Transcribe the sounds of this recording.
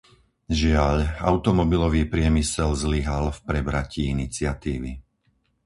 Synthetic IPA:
ʒɪaʎa̰ʊt̪ɔmɔbilɔʋiːpɾɪɛmisɛlzliɦalfpɾɛbɾaciinit͡sɪat̪iːʋi

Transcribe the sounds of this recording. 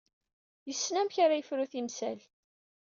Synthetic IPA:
jəsːnæmçaɾajəfɾuθimsæl

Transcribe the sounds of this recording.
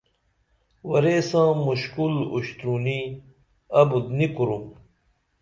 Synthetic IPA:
wɐɾesãːmuɕkulṵɕt̪ɾuni | ɐbud̪nikuɾum

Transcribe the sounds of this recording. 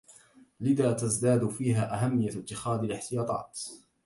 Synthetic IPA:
lɪðaːt̪azd̪aːd̪fiːɦaːʔaɦamːɪjːat̪ːɪxaːd̪alɪħt̪ɪjɑːt̪ˤɑ̰ːt̪

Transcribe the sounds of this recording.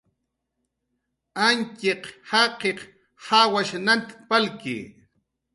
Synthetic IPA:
aŋkeqhɑqeq | hawaʃnant̪palkɪ̰

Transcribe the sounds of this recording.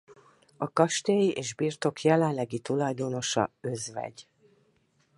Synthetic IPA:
ɒkɒʃt̪eːjiʔeːʒbiːrt̪o̞kʰjɛlɛnlɛɡit̪ulɒjd̪o̞no̞ʃɒ̰øzvɛ̰ɟ

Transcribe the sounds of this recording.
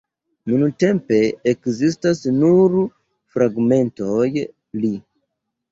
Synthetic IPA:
nunte̞mpe̞ekzistasnuɾ | fɾaɡme̞ntoj | li

